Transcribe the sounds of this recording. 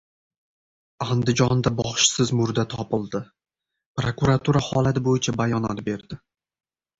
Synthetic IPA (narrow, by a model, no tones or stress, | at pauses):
and̪ɪd͡ʒɒnd̪abɒχʃsɪzmʊɾd̪at̪ʰɒpɪlˠd̪ɪ | pɾokuɾat̪ʰuɾahɒlat̪ɪbojɪt͡ʃʰabajɒnɒt̪be̞ɾd̪ɪ